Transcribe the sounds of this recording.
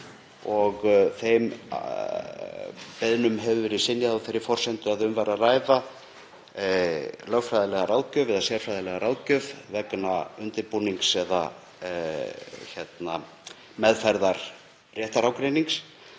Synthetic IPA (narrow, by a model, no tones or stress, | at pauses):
ɔɣθejm | pɛðnʏmɦɛvvɪɾisɪnjaðawθejɾɪ̥fɔr̥sɛnt̪ʏaðʏmvajɾaraːjða | lœɣfɾajðɪlɛɣaɾaːwðcœvɪðasjɛɾ̥fɾajðalɛɣaɾawcœvvɛkːnaʏnt̪ɪɾpuniŋksɛða̰ | çɛt̪na | mɛðfaɾðaɾ̥ | rjɛːht̪aɾawkɾejniŋks